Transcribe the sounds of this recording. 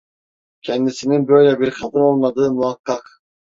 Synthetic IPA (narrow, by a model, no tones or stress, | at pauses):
cʰɛnd̪isininbø̞jlʲɛbiɾkʰad̪ɯno̞lˠmad̪ɯːmuakʰːak